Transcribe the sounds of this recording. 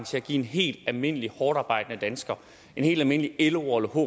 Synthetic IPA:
ŋt͡sʰe̝læɡ̥ḭːe̝nɦe̝̰ːld̥ælme̝n̰əlihɒːɾ̥ɑ̈ːb̥ɑ̈ɪ̰d̥ənəd̥ænsɡ̥ɐ | e̝nhe̝̰ld̥ælme̝nəlieləɒləhɔ̰

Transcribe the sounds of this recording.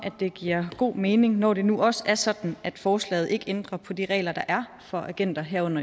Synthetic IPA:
ʔæ̥e̝ɡ̥iɐ̰ɡ̥o̝̰ːme̝ːne̝ŋnɒ̰ːd̥e̝nuʔɒ̽səæɐsɒ̽d̥n̩æd̥fɒːslɛ̰ːð̩ˠe̝ɡ̥end̥ʁɐpʰɒ̽d̥iʁɛ̰ːlɐd̥ɑ̈ʔæɐ | fɒ̽ʔæɡ̥en̰d̥ɐɦæɐɔ̽n̰ɐ

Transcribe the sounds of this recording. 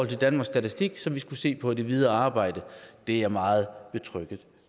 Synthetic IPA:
ɒ̽l̰t͡sʰe̝d̥ænmɑ̈ɡ̥sɡ̥æt͡sʰisd̥iɡ̥sɒ̽mʋisɡ̥use̝̰ːpʰɒ̽d̥e̝ʋið̞ˠɐɑ̈ːb̥ɑ̈ɪ̰d̥əd̥e̝æɐmɑ̈ːð̞̩ˠb̥e̝t͡sʰʁœɡ̥ð̩ˠ

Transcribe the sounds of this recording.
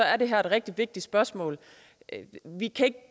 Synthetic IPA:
ɒ̽æɐɾe̝ɦæɐ̰e̝d̥ʁɛɡ̥̚d̥iʋe̝ɡ̥̚d̥i̥sb̥ɶɐsmɔ̰̽ːl | ʋikʰæe̝ɡ̥̚

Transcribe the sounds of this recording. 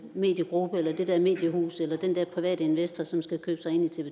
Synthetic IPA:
me̝̰ːd̥jəɡ̥ʁub̥əelɐd̥ed̥ɛɐ̰me̝̰ːd̥jəhṵːselɐd̥end̥ɛɐ̰pʰʁiʋɛ̰ːd̥əe̝nʋesd̥ɐsɒ̽msɡ̥ækʰø̰ːb̥sɑ̈ɪe̝n̰it͡sʰe̝bə

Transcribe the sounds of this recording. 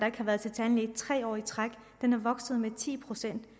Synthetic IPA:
d̥ɑ̈e̝ɡ̥hɑ̈ʋæːɐð̞ˠt͡sʰe̝lt͡sʰɛln̩ed̥̚t͡sʰʁɛ̰ːɒ̰ːit͡sʰʁaɡ̥ | d̥enæɐʋɒ̽ɡ̥sð̞̩ˠmet͡sʰḭːpʰʁo̝sen̰d̥

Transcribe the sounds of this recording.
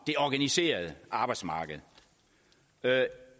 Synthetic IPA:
d̥e̝ɒɡ̥ænise̝̰ːɐð̞̩ˠəʔɑ̈b̥ɑ̈ɪd̥smɑ̈ːɡ̥əð̞̩ˠ

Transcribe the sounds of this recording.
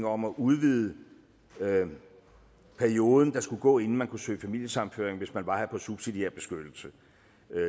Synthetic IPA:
ŋɒ̽mɒʔuðˠʋið̞ˠə | pʰæɐio̝ːð̞ˠn̩d̥ɑ̈sɡ̥uɡ̥ɔ̰ːe̝nn̩mænkʰusø̰ːfæmil̰jəsɑ̈mn̩fø̰ɐ̰eŋʋe̝smænʋɑ̈hæpʰɒ̽sub̥sid̥ie̝ɐb̥e̝sɡ̥ød̥l̩sə

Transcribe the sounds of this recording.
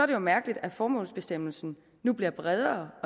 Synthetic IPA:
ɒ̽ɐɾ̥ejo̝mæɐɡ̥əlid̥æfɒːmɔ̰̽ːlsb̥e̝sd̥em̰l̩sn̩ | nub̥liɐb̥ʁɛð̞ˠɐːɒ̽

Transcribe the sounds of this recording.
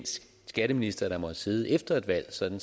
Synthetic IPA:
n̰sɡ̥ | sɡ̥æɾ̥əminisd̥ɐɾ̥ɑ̈mɒ̽ðˠse̝ːð̞ˠəefd̥ɐe̝d̥ʋæl̰sɒ̽d̥n̩

